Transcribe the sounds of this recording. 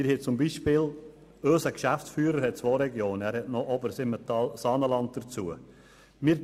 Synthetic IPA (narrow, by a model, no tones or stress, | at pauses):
ɪɾhet͡sʊmbiːʃpɪːl | øːsəkʃæft͡sfyːɾəɾhɛt̚t͡sʋoːɾɛɡjoːnæːɾhɛtnɔʔɔbəɾsɪmətɑlsɑːnəlɑnt̚d̥əɾt͡suə | mɪːɾ